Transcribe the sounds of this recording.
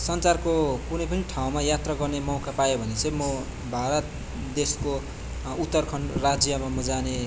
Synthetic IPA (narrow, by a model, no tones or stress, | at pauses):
sʌnt͡sarkokunʌjpʌniʈʰaw̃majat̪rʌɡʌrnemʌwkapajobʱʌnesebmʌ | bʱaɾʌt̪̚ | d̪esko | ut̪ːʌrkʰʌnrad͡zjʌmamud͡zane